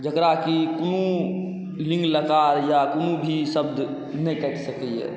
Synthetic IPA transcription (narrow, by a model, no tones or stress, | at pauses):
d͡ʒəkɾakikonũ | lĩŋɡləkaɾjakonũbʱisəbd̪ | nɛkəʈsəkɛjḛ